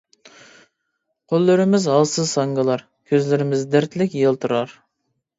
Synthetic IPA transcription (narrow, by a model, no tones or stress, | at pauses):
qʰolˠːɪɾɪmɪzɑlˠsɨzsɑŋɡɑlˠɑɾ | kʲʰøzlɪɾɪmɪzd̪æɾt̪lɪkʲjelˠt̪ʰəɾɑɾ